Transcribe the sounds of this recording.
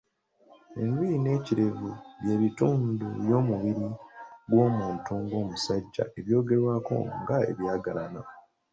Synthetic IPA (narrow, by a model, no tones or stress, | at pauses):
ḛmbine̞ːciɾe̞vuβje̞ːβituːndujo̞ːmuβiɾiɡwo̞ːmuːntuŋɡo̞ːmusaɟːa̰ʔe̞βjo̞ːɡe̞ɾwaːko̞̰ŋɡae̞̰βjaːɡalana